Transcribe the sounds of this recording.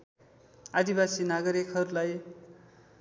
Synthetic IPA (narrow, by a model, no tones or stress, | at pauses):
ad̪ibasinaɡʌɾikɦʌɾulaj